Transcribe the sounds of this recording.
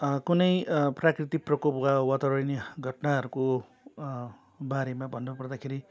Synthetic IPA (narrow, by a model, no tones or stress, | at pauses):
kunʌjprakrit̪ik̚prʌkopubʱawat̪awʌneɡʱʌʈnaɦʌɾuko | baɾemabʱʌnːopʌrd̪akʰeɾi